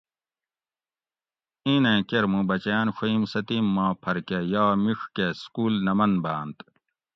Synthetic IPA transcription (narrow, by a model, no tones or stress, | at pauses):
ĩnẽːkeɾmũbɐt͡ɕjaːnɕoimsɐt̪imːãːpʰɐɾkejaːmiʂkeskuːlnɐmɐnbaːnt̪